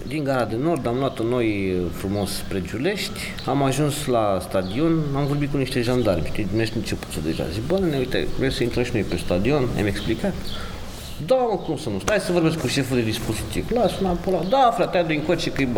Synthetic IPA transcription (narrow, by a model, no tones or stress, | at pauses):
d̪iŋɡaɾad̪eno̞rd̪amloat̪ono̞jfɾumo̞spɾed͡ʒule̞ʃt̪ʲ | amaʒunslast̪ad̪io̞namvo̞rbit̪̚kuniʃt̪eʒand̪alʲt̪id̪umesk̪nut͡ʃepu̥t̪sud̪eʒa̰zibaneneujt̪ḛvɾemsəint̪ɾəʃino̞jpest̪ad̪io̞na̰meksplikat̪ | d̪aməkumsənust̪ajsəvo̞rbeskuʃe̞fud̪e̞d̪ispo̞zit̪ivlasunapolad̪afɾat̪ead̪oiŋkot͡ʃekɨj